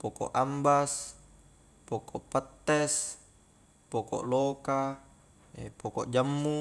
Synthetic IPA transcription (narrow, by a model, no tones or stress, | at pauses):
pokɔ̰ʔambas | pokɔʔpat̪ːes | pokɔ̰ʔloka | epokɔʔd͡ʒamːu